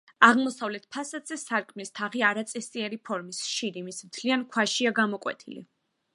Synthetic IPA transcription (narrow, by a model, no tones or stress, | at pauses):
aʁmɔsavlɛt̪̚ʰpʰasad̪zɛsaɾkʼmist̪ʰaʁiaɾat̪sʼɛsiɛɾipʰɔɾmisʃiɾimismt̪ʰliankʰwaʃiaɡamɔkʼwɛ̰t̪ʰḭlḭ